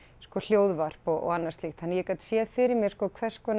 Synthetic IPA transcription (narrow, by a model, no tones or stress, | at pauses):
skɔl̥joːwðvar̥pɔɔ̰ɣanːast̪lixt̪hanːjɛkat̪sjɛðfɪɾɪɾmjɛskɔːkʰvɛr̥skvɔn